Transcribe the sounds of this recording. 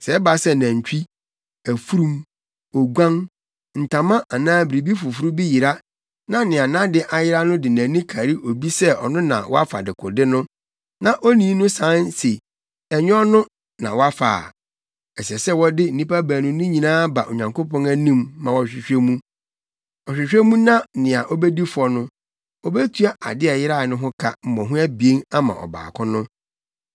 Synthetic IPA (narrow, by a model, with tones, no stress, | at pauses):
sɛ˨ɛ˦ba˨sɛ˦næ̃˨ɲ˨t͡ɕᶣi˦ | æ˨fu˦ɾũ˦m | ɔ˨ɡʷã˦ŋ | n̩˨tʰã˨mã˦ʔa˨nãː˦bɪ˨ɾi˨bi˦fʊ˨fu˦ɾu˦bi˦ji˨ɾa˦ | nã˨nɪ̃˨a˨nã˦dɪ˦ʔa˨jɪ˦ɾa˦nʊ̃˦dɪ˨næ̃˨nĩ˦kʰa˨ɾi˦ʔo˨bi˦sɛ˦ɔ̰˨nʊ̃˦nã̰˨wɔ̰˦a˦fa̰˨dɪ˨kʰʊ̰˨dɪ˦nʊ̃˦ | nã˨ʔo˦nĩ˦nʊ̃˦sã˨˦nse˨ | ɛ˨ɲ˦ɔ˦nʊ̃˦ | nã˨wɔ˦a˦fa̰ː˨ | ɛ˨sɛ˨sɛ˦wɔ˦dɪ˦n̩˨ĩ˦pa˦bæ˨nʊ̃˦nʊ̃˦ɲĩ˨nãː˦ba˨ʔo˨ɲã˨ŋkʰo˦pɔ̃˦næ˦nĩ˦mːã˨wɔ˦ɕᶣɪ˨ɕᶣe˦mũ˦ | ɔ˨ɕᶣɪ˨ɕᶣe˦mũ˦nã˦nɪ̃˨a˨ʔɔ˦bɛ˦di˦fʊ˨ɔ˨˦nʊ̃˦ | ɔ˦bɛ˦tʰu˦a˦ʔa̰˨dɪ˦a˨jɪ˦ɾa˦˨nʊ̃˦ɦʊ̃˦kʰa̰˦m̩˨mɔ̃˨ɦʊ̃˦æ˦bi˨e˦na˦mã̰˨ʔɔ̰˨ba̰ː˨kʰʊ̃˦nʊ̃˦